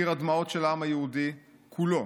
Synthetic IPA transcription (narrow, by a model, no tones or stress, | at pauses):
iʁad̪maot̪ʃelaamajehud̪i | kʰulo